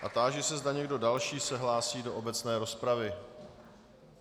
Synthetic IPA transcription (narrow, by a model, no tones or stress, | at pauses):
ʔat̪aːʒɛsɛzdaɲɛɡdo̞dalʃiːsɛɦlaːsiːdo̞ʔobɛt͡snɛːɾo̞spɾavɪ